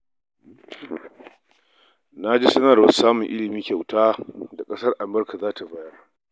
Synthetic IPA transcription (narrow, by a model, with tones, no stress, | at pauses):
na˦d͡ʒi˦sɐ˦nɐ˨rɐ˨ssaː˦mʊ˨ŋʔɪ˦lɪ˨miː˦kʲa˨wtaː˦da˨kʼɐ˦sɐ˦rʔa˨mbɐ˦rka˨zaː˦tʰa˨ba˦jɐ˦r